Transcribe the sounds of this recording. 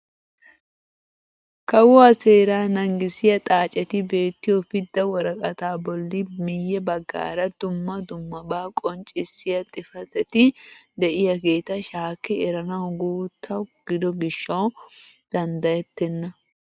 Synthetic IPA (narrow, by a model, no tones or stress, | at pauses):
kɐwɔɐseːɾaːnɐŋɡɪsɪjɐt̪ʼaːt͡ʃʼɛt̪ɪbe̞ːt̪ːɪjɔpɪd̪ːɐwɔɾɐkʼɐt̪aːbɔlːɪmɪjːɛbɐɡːa̰ːɾɐd̪ʊmːɐd̪ʊmːɐbaːkʼɔnt͡ʃʼɪsɪjɐt̪ʼɪfɐt̪ɛt̪ɪd̪ɛʔɪjɐɡeːt̪ɐʃaːkːɛɛɾɐnɐwɡuːt̪ʰːɐwɡ̥ɪd̪ɔɡɪʃːɐwd̪̥ɐnd̪ɐjɛt̪ːɛnːɐ